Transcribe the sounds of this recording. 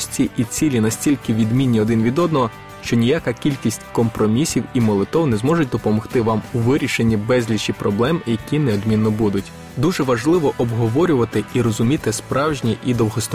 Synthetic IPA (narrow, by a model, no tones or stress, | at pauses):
sʲt͡sʲiʔit͡sʲilʲinɐsʲtʲilʲkɪʋʲid̪mʲinʲːiɔd̪ɪnʋʲid̪ɔd̪nɔɦɔ | ʃt͡ʃɔnʲijakakʲilʲkʲisʲtʲkɔmpɾɔmʲisʲiwimɔlˠɪt̪ɔwnɛzmɔʒʊt̚ʲd̪ɔpɔmɔxt̪ɪʋɑmuʋɪɾʲiʃenʲːibɛzʲlʲit͡ʃipɾɔblˠɛmjɐkʲinɛɔd̪mʲinːɔbud̪ʊtʲ | d̪uʒɛʋɐʒlˠɪʋɔʔɔbɦɔʋɔɾʲʊʋɐt̪ɪiɾɔzʊmʲit̪ɪspɾɑwʒnʲiʔid̪ɔwɦɔst̪